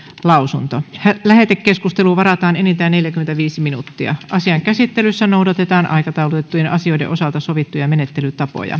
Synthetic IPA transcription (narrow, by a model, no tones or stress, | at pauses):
lɑusunt̪ohælæhet̪ekkːeskust̪eluʋɑɾɑt̪ɑːnenint̪æːnneljækyment̪æʋiːsiminṵt̪ːiɑ̰ʔɑsiɑŋkæsit̪ːelysːænowdɑt̪et̪ɑːnʔɑ̰ikɑt̪ɑulut̪et̪ːujenʔɑ̰sio̞idḛʔo̞sɑlt̪ɑsoʋit̪ːujɑmenet̪ːelyt̪ɑpo̰jɑ̰